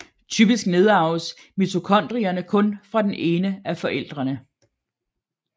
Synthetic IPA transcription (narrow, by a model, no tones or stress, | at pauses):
t͡sʰyb̥isɡ̥ne̝ð̞ˠɑ̈ʊs | myt͡sʰo̝kʰɒ̽n̰d̥ʁiɐnəkʰɔ̽nfʁɑ̈d̥ene̝ːnəæfɒ̽ʔel̰d̥ʁɐnə